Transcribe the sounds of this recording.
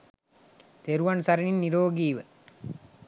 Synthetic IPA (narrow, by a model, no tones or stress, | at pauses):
t̪eɾuʋɐnsɐɾininːiɾoːɡiːʋə